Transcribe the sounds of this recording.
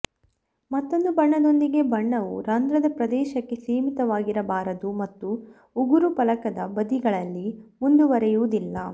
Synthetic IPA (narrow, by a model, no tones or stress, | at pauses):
mɐt̪ːo̞nd̪ubɐɳːɐd̪o̞nd̪iɡe̞bɐɳːɐʋuɾaːnd̪ɾɐd̪ɐpɾɐd̪ɛːʃɐkːe̞siːmit̪ɐʋaːɡiɾɐbaːɾɐd̪umɐt̪ːu | uɡuɾupɐlɐkɐd̪ɐbɐd̪iɡɐɭɐlːimund̪uʋɐɾɛjuʋud̪ilːɐ